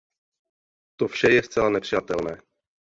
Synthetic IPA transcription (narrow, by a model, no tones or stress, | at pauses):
t̪ofʃɛjɛst͡sɛlanɛpr̥ɪjat̪ɛlnɛː